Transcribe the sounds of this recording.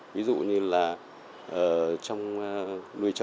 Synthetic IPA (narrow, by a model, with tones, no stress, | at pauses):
vi˨˦zṵ˧˨ɲɨ˧laː˨˩ | ʔəː˨˩t͡ɕɔ˧wŋ͡mlu˨˩əjt͡ɕə˨